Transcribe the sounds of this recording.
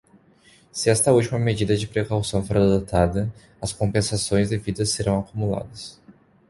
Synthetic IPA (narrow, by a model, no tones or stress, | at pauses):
sɪɛst̪ɐut͡ʃimɐmed͡ʒid̪ɐd͡ʒɪpɾekawsɐ̃w̃foɾɐɾad̪ot̪ad̪ɐ | ɐskõpẽsasõj̃zd̪evid̪ɐseɾɐ̃w̃akumula̰d̪ɐs